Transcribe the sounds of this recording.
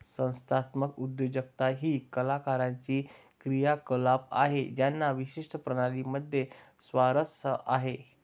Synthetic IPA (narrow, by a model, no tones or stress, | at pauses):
sə̃w̃st̪ʰat̪məkud̪jod͡ʑəkt̪aɦiːkəlakaɾãɲt͡ɕiː | kɾijakəlapa̰ɦed͡ʑjanːaʋiɕiʂʈəpɾəɽ̃aliməd̪ʱːje | sʋaɾəsəʔaɦe